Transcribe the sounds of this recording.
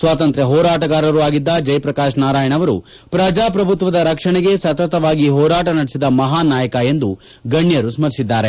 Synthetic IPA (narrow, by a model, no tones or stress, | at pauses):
sʋaːt̪ɐnt̪ɾjɐɦɔːɾaːʈɐɡaːɾɐɾuaːɡid̪ːɐd͡ʒɐjpɾɐkaːʂnaːɾaːjɐɳɐʋɐɾṵ | pɾɐd͡ʒaːpɾɐbʱut̪ʋɐd̪ɐɾɐkʂɐɳɛɡe̞sɐt̪ɐt̪ɐʋaːɡiɦɔːɾaːʈɐnɐɽesid̪ɐmɐɦaːnaːjɐkɐe̞nd̪u | ɡɐɳːjɐɾusmɐɾisid̪ːaːɾe